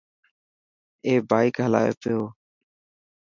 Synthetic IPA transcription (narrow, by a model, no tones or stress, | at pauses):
eːbaːikɦəla̰ːḛːpɪjoː